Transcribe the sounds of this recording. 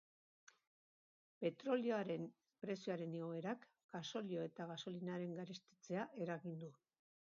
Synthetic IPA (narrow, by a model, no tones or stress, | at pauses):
pe̞t̪ɾo̞lioaɾe̞n | pɾe̞sioaɾe̞neɣoe̞ɾak | ɡ̥aso̞lio̞e̞t̪aɣaso̞linaɾe̞ŋɡaɾest̪i̥t͡se̞aʔe̞ɾaɣind̪u